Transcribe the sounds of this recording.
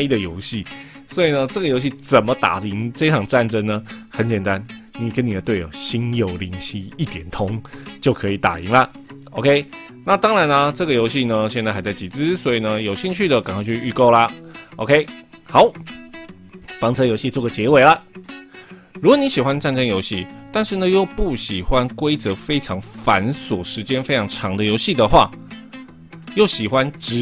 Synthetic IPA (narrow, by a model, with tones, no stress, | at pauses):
i˥d̪ə˨jo˧˦˥ʊɕi˥˩ | swɔ˧˥i˨˩nə˧˦ʈ͡ʂə˥˩ɡə˩˨jo˧˥ʊɕi˥˨t͡sə˨˩nmə˨˦t̪a̰˨˩i˧˥ŋfe˥ɪʈ͡ʂʰɑ˨˩ŋʈ͡ʂa˥˩nʈ͡ʂə˦ŋnə˨xə˨˦nt͡ɕjɛ˨˩nt̪a˦nni˨˩kə˦nːi˨˩d̪ə˦t̪we˥˩o˨˩ɕi˥njo˨˩ʊli˧˥ŋɕi˥˧i˥˩t̪jɛ˨˩nt̪ʰo˦˥ŋt͡ɕjo˥˩ʊkʰə˧˦i˨˩t̪a̰˨˩i˨˧˥ŋlə˧ | o˧ʊkʰe˥ɪ | na˥˨t̪ɑ˥ŋɻa˧˦nə˧ʈ͡ʂɤ˥˩ɡə˩jo˧˥ʊɕi˥˧nə˧ɕ̬jɛ˥˧nt͡sa˥˩xa˧˥ɪt͡sa˥˩t͡ɕi˨˩t͡sɹ̩˦swɔ˧˥i˨˩nə˦jo˨˩ʊɕi˥˧ŋt͡ɕʰy˥˩d̪ə˨ka˨˩ŋkwa˥˧t͡ɕʰy˥˧y˥˧ko˥˩ʊlɐ˨o̰˧ʊkʰe˥ɪxa˨˦ʊ | fɑ˧˥ŋt͡sʰɤ˥jo˧˥ʊɕi˥˧t͡swɔ˥˩ɡə˩t͡ɕjɛ˧˥we˨˩ɪlə˦ | ɻu˧˥ɡwɔ˨˩ni˨˥ɕi˨˩xwa˦nʈ͡ʂa˥˩nʈ͡ʂə˥njo˧˥ʊɕi˥˩t̪a˥˧nʂɻ̩˥˩nə˨jo˥˧ʊpu˥˩ɕi˨˩xwa˦nkwe˥ɪt͡sɤ˧˦fe˥ɪʈ͡ʂʰɑ˧˥ŋfa˧˦nswɔ˨˩ʂɻ̩˧˥t͡ɕjɛ˥nfe˥ɪʈ͡ʂʰɑ˧˥ŋʈ͡ʂʰɑ˧˥ŋd̪ə˨jo˧˥ʊɕi˥˨˩d̪ə˨xwa̰˥˩ | jo˥˩ʊɕi˨˩xwa˦nʈ͡ʂɻ̩˧˥